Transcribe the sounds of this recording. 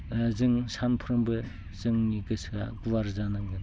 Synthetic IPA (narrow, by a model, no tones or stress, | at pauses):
zɯŋsʰanpʰuɾɯmbɯ | zɯŋniɡɯsʰa̰ɡuwaɾzanaŋɡɯn